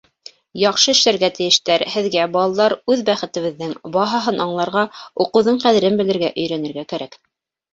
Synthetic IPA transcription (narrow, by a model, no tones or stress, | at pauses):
jɑqʃɤɘ̆ʃlæɾɡæt̪ɘ̆jɘ̆ʃt̪æɾhɘ̆ðɡæbɑlˠɑlˠɑɾʉðbæχɘ̆t̪ɘ̆βɘ̆ðːɘŋbɑɦɑɦɤnʔɑɴlˠɑɾʁɑuqɤ̆wðɤɴqæðɘ̆ɾɘnbɘ̆lɘ̆ɾɡæʔɵ̆jɾænɘ̆ɾɡækæɾæk